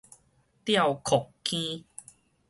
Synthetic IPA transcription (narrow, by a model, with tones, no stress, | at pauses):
t̪ja˥˧˨wkʰɔ˨˩kkːĩ˦